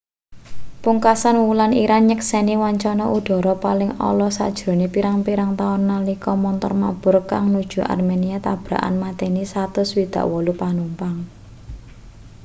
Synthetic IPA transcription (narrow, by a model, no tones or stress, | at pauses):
puŋkasanwulaniɾanɲəksɛniwaɲt͡ʃɔnɔʔud̪̥ɔ̤ɾɔpalɪŋɔ̰lɔsa̰d̥ʒ̥ɾo̤nepiɾaŋpiɾaŋt̪aʊnːalikɔmɔnt̪ɔ̰rma̰b̥ʊrkaŋnud̥ʒ̥ṳʔa̰rmeniat̪ab̥ɾa̰ʔa̰nmat̪enisat̪ʊswid̪̥ä̤̰ʔwɔlupanumpaŋ